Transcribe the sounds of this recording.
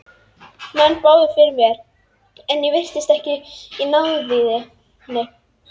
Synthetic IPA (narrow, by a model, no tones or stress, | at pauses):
mɛnːpaːwðʏfɪɾvɛɾ | ɛnjɛvɪr̥t̪ɪst̪ɛhcɪinawðviːðɪ | nːɪ